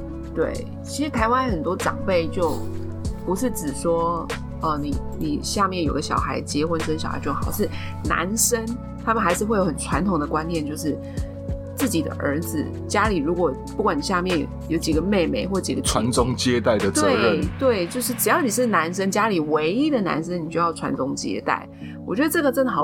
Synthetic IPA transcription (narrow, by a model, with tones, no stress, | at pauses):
t̪wḛ˥˩ɪ | t͡ɕʰi˧˥ʂɻ̩˧˥t̪ʰa˧˥ɪwa˥nxə˨˩nt̪wɔ˥ʈ͡ʂɑ̰˨˩ŋpe˥˧ɪt͡ɕjo˥˩ʊ | pu˧˥ʂɻ̩˥˩ʈ͡ʂɻ̩˨˩ʂwɔ˥ | ə˥˩ni˨˩ni˨˩ɕja˥˧mjɛ˥˩njo˨˩ʊɡə˦ɕjɑ̰˨˩ʊxa˧˥ɪt͡ɕjɛ˧˥xwə˥nʂə˥nɕɑ˨˩ʊxa̰˧ɪt͡ɕjo˥˩xɑ˨˩ʊʂɻ̩˥˩ | na̰˧˥nʂə˥n | t̪ʰa˥mə˨nxa˧˥ɪʂɻ̩˥˧xwe˥˩jo˥ʊxə˨˩nʈ͡ʂʰwa˧˥nt̪ʰʊ˨ŋd̪ə˧kwa˦˥njɛ˥˧nt͡ɕjo˥˧ʊʂɻ̩˥˩ | t͡sɹ̩˥˩t͡ɕi˨˩d̪ə̰˦ʔə˞˧˥d͡z̩˨ | t͡ɕja˥li˨˩ɻu˧˥kwɔ˨˩pu˥˩kwa˨˩ni˨˩ɕja˥˧mjɛ˥˩n | jo˧˥ʊt͡ɕi˨˩ɡə˦me˥˩ɪme˧˥ɪxwɔ˥˩t͡ɕi˨˩ɡə˦ʈ͡ʂʰwa˧˦nt͡sʊ˥ŋt͡ɕjɛ˥t̪a˥˩ɪd̪ə˩t̪we˥˩ɪt̪we˥˩ɪt͡ɕjo˥˧ʊʂ̬ɻ̩˥˩ʈ͡ʂɻ̩˨˩jɑ˥˩ʊni˨˩ʂ̬ɻ̩˥˩na˧˥nʂ̬ə˥ŋnt͡ɕja˥li˨˩we˧˥ɪi˥d̪ə˨na̰˧˥nʂə˦ni˨˩t͡ɕo˥˧jɑ˥˩ʊʈ͡ʂʰwa̰˧˥nʈ͡ʂʊ˥ŋt͡ɕjɛ̰˥t̪a̰˥˩ɪ | wɔ˨˩t͡ɕɥɛ˧˥d̪ə˧ʈ͡ʂɤ˥˩ɡə˩ʈ͡ʂə˥˩nə˩xɑ˨˩˦